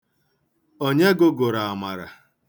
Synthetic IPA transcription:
ɔ˦ɲe˦ɡo˦ɡʊ˨ɾa˨a˨ma˨ɾa̰˨

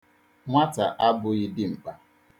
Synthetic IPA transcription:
ŋʷa˦ta̰˨ʔa˦bʊ˨ɣɪ˦dɪ˦ŋ͡m̩˨k͡pa˨

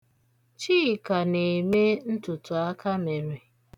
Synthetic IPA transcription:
t͡ʃiː˦˨ka˨ne˨me˦n̩˦tʊ˨tʊ˨a˦ka˦me˨ɾe˨

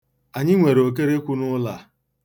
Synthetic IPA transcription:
a˨ɲɪ˦ŋʷe˨ɾo˨k̬e˦ɾe˦kʷu˦nʊ˦la˦˨

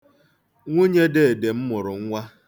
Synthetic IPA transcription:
ŋʷu˦ɲe˦de˦e˨de˨m̩˦mʊ˨ɾʊ˨ŋ̩˦ŋʷa˦

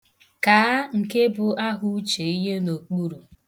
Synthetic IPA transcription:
ka˨˦ŋ̩˨ke˦bʊ˨a˦ɦʊ˦t͡ʃe˨i˦ɦe˦no˨k͡pu˦ɾu˨

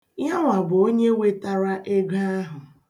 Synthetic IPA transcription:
ja˦ŋʷa˨bʊ˨o˦ɲe˦we˦ta˦ɾa˦ʔe˦ɡa˦a˦ɦʊ˨

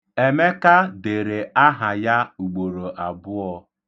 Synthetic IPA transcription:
e˨me˦ka˦de˨ɾe˨a˦ɦa˨ja˦u˨ɡ͡bo˨ɾo˨ʔa˨bʊ˦ɔ˦

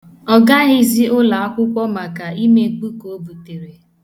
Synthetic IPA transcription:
ɔ˨ɡa˦ɣi˦zi˦ʔʊ˦la˨a˦kʷʊ˦kʷɔ˦ma˨ka˨i˦me˦ɡ͡bu˦ko˨o˦bu˨te˨ɾe˨

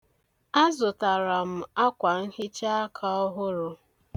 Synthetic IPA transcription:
a˦zʊ˨ta˨ɾa˨m̩˨a˦kʷa˨ŋ̩˦hɪ˦t͡ʃa˦a˦kʰa˦ɔ˦ɦʊ˦ɾʊ˦

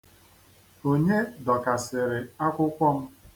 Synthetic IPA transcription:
o˦ɲe˦dɔ˨ka˨sɪ˨ɾɪ˨a˦kʷʊ˦kʷɔ˦m̩˦

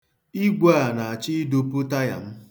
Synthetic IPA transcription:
i˦ɡʷa˦a˨na˨a˨t͡ʃɪ˦do˦pʊ˦ta˦ja̰˨m̩˦

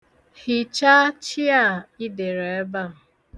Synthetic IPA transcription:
hi˨t͡ʃa˦t͡ʃi˦a˦˨i˦de˨ɾe˨˦ba˦˨

